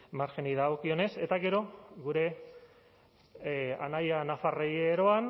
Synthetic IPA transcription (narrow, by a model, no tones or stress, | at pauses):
maɾʝeniðaokio̞ne̞se̞t̪aɣe̞ɾo̞ɣuɾe̞ | a̰najanafarejeɾo̞an